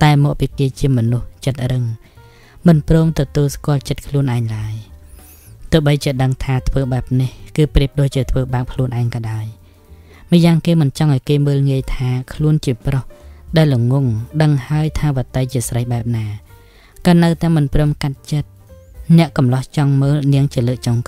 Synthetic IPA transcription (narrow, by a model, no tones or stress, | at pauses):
t̪aɛmɔːk̚piːkeːt͡ɕiəmɔnuht͡ɕət̪̚rɨŋ | mɨnprɔːmt̪ɔt̪uəlskŏəlt͡ɕət̪̚kʰluənʔaɛŋlaəj | t̪ɔəɓəjt͡ɕiəɗəŋt̪ʰaːt̪ʰʋəːɓaɛp̚nihkɨːpriəp̚ɗoːc̚t͡ɕiət̪ʰʋəːɓaːk̚kʰluənʔaɛŋkɑːɗaɔəj | mɨəjaːŋkeːmɨnt͡ɕɑŋʔaɔjkeːməːlŋiəjt̪ʰaːkʰluənt͡ɕiəprohɗaɛlːuŋuŋɗəŋhaəjt̪ʰaːʋət̪ɨjt͡ɕiəsrəjɓaɛp̚naː | kɑːnɨwt̪aɛmɨnprɔːmkat̪̚t͡ɕət̪̚ | nɛ̆əʔkɑmlɑht͡ɕɑŋməːlniəŋt͡ɕiələːʔ̚t͡ɕoŋk